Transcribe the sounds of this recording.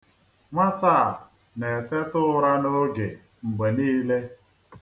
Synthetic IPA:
ŋʷa˦ta˦˨a˨ | ne˨te˦tʊ˦ʊ˦ɾa˦no˦ɡe˨ | ŋ͡m̩˨ɡ͡be˨niː˦le˦

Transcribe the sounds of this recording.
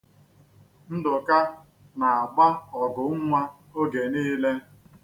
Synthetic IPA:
n̩˦dʊ˨ka˦ | na˨a˨ɡ͡ba˦ɔ˨ɡʊ˨˦ŋʷa˦ | o˦ɡe˨niː˦le˦

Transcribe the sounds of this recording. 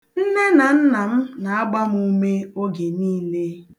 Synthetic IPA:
n̩˦ne˦na˨n̩˦na˨m̩˦na˨a˦ɡ͡ba˦m˦u˦me˦o˦ɡe˨niː˦le˦

